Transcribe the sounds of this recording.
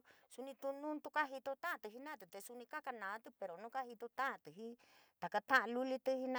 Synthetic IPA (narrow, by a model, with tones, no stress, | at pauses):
su˧nĩ˧t̪u˧nũ˦nt̪u˧ka˦ɦi˧t̪o˧t̪ã˦ʔã˧t̪ɨ˧˨ɦi˧nã˦˨t̪ɨ˨t̪e˧su˧nĩ˧ka˦ka˧nã˨˦t̪ɨ˧pe˨˧ɾo˨nũ˦ka˦ɦi˧t̪o˧t̪ã˦ʔã˧t̪ɨ˨ɦi˦t̪a˨ka˧t̪ã˦ʔã˧lu˦li˧t̪ɨ˧hi˧nã˧